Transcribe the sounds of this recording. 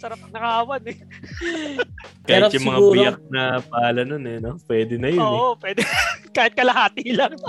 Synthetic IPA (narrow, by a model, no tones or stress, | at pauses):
sɐɾap̚ɐŋnɐkɐʔaːwɐnɛ | kahɪtjʊmɐŋapːɪjɐk̚nɐpaaːlɐnonɛnopwɛːd̪ɛnɐjjoːʔopwɛd̪ɛkaːhɪt̪̚kɐlɐɦaːt̪ilɐŋ